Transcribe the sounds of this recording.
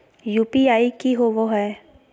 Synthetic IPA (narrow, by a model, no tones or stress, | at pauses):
jupiajkiɦobɔɦɔj